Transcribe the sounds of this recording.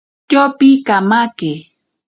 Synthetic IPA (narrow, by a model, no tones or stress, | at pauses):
t͡ʃopikamake